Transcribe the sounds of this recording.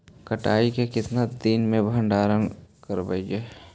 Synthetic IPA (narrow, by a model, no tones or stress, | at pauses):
kəʈa̰ːikekɪt̪nad̪iːnmẽbʱə̃ɳɖaːɾənkəɾbə̰ɡe